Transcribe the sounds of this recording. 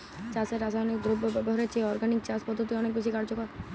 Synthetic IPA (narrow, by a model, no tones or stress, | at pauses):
t͡ʃaseɾasaɔnek̚d̪ɾubʱbʱɔɾet͡ʃʰeɔɾɡanik̚t͡ʃaspɔd̪ʱːot̪iɔnek̚bet͡ʃʰikaɾd͡ʑokɔɾ